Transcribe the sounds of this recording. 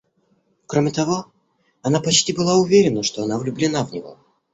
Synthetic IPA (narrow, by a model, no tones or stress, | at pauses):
kɾomʲɪt̪ɐvo̞ | ɐnapɐt͡ɕtʲibɨlˠaʊvʲeɾʲɪnəʂt̪o̞ɐnavlʲʊblʲɪnavnʲɪvo̞̰